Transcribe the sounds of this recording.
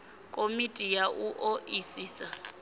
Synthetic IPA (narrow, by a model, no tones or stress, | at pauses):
kʼomitʼijaʔuʔoʔisiːsa